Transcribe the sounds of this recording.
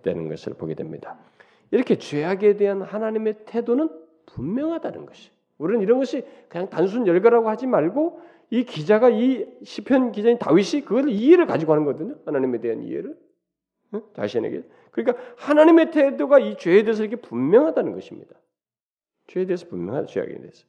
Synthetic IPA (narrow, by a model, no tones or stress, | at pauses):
d̥we̞̰nɯ̰nɡʌ̰sʰɯ̰ɭpo̰ɡe̞dwemɲḭd̥a | iɾʌkʰe̞t͡ɕwe̞ɦaɡe̞de̞ɦanhanaɲime̞tʰe̞donɯn | pummjʌŋɦadanɯ̰nɡʌɕʰi̥ | uɾinɯniɾʌnɡʌɕʰikɯɲaŋtans̬ʰunjʌɭɡaɾaɡohad͡ʑimaɭɡo | ikid͡ʑaɡaiɕʰipʰjʌnkid͡ʑaitawiɕʰikɯɡʌsieɾɯɭkad͡ʑiɡoɦanɯnɡʌdɯɲohanaɲime̞de̞ɦanḭḛɾɯɭ | et͡ɕa̰ɭɕʰinḛɡḛ | kɯɲik͈ahanaɲime̞tʰe̞doɡait͡ɕweːde̞es̬ʰʌiɾʌkʰepummjʌŋɦadanɯnɡʌɕʰimɲḭd̥ḁ | t͡ɕweːdeːsʰʌpumjʌŋɦad̰t͡ɕwea̰ɡḛdeesʰʌ̥